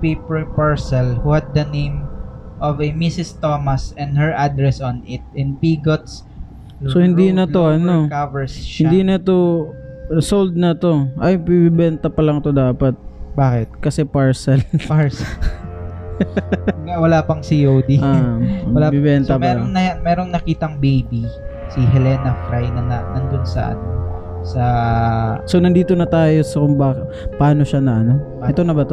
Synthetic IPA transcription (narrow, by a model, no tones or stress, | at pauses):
pippaɹsɐlhuhɐd̪̚ːɐnẽjmʔɔvɛmisɪst̪omɐsɛ̃nd̪̚hɛɹʔad̪ɾɛsɔnɪt̪̚ɪ̃npiːɡot̪s | sohɪnd̪iːnɐt̪oʔɐnokavɛɹshɪnd̪iːnɐt̪o | sold̪̚nɐt̪o̞ʔɐjpibɪbɛnt̪ɐpɐlɐŋt̪o̞d̪aːpɐt̪̚baːkɪt̪̚kɐsɛpɐɹsɐlaɹs | ɡawɐlaːpɐŋsɪjowd̪iaːmwɐlabɪbɛnt̪ɐmɛɾŋnɐmɛːɾoŋnɐkiːt̪ɐŋbejbi | sɪɦɛlɛːnɐfɾajnɐɐnɐnd̪onsɐ̰ʔɐ̰no | sɐ | sonɐnd̪iːt̪o̞nɐt̪aːjo̞sɐkʊŋbaːk | pɐʔaːno̞ʃanɐʔɐno | ɛt̪o̞nɐbɐt̪o